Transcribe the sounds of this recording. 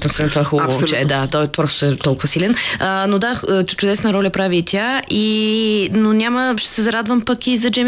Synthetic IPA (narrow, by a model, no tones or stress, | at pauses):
t̪ɐsint̪axust͡ʃɛd̪at̪ɔjt̪vɔɾst̪o̥t̪ɛt̪ɔlˠkʊvəsilɛnənod̪aət͡ʃʊd̪ɛsnəɾɔlʲəpɾavit̪ʲʰaʔi | nonʲaməʃt̪ɛ̥sɛzɐɾad̪vəmpəkizɐd͡ʒɛm